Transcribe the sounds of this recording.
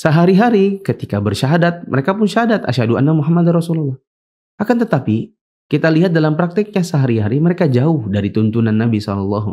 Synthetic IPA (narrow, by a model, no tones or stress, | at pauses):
səɦaɾiɦaɾikət̪ikabərʃaɦadat̪̚məɾekapʊnʃaɦadat̪a̰ʃaduʔa̰nːamuɦamːad̪arɔsululːɔh | ʔakant̪ət̪api | kit̪aliɦat̪̚dalampɾak̚t̪ɪk̚ɲasəɦaɾiɦaɾiməɾekad͡ʒaʊhdaɾit̪unt̪unanːabisɔlɔlːɔɦu